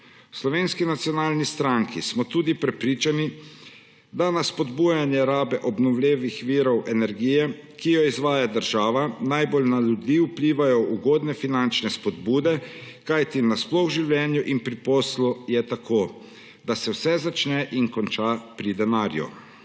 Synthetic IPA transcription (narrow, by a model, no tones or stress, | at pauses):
wslɔʋeːnskinat̪sjɔnaːlnist̪ɾaŋkḭsmɔt̪uːd̪ipɾɛpɾiːt͡ʃani | d̪anaspɔd̪buːjanjɛɾaːbɛʔɔbnɔwlʲeːʋixʋiːɾɔwʔɛnɛɾɡiːjɛ | kijɔizʋaːjad̪əɾʒaːʋanajbolnalud̪iːupliːʋajɔuɡoːd̪nɛfinant͡ʃnɛspɔd̪buːd̪ɛ | kajt̪inasplɔɣʒiwlɛːnjuʔinpɾipɔslɔjɛt̪akʰoː | d̪̥asɛwsɛzat͡ʃnɛʔiŋkɔnt͡ʃapɾid̪ɛnaːɾjṵ